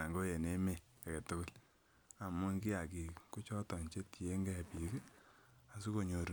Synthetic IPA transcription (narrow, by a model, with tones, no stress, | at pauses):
a˨ŋɡo˦je˨ne˦me˨ | a˨ke˨tʊ˦kʊ˦l | a˨mʊ˦nki˦a˨ki˨ku˦t͡ʃɔ˦tɔ˨nt͡ʃe˦ti˨e˦ŋɡɛ˦˨pi˨kɛ˦ | a˨su˦ko˨ɲo˨ɾ